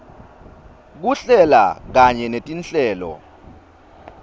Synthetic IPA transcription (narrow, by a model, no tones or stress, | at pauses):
k̬uɬɛla̰k̬aɲɛnetʼinɬʼɛːlɔ̰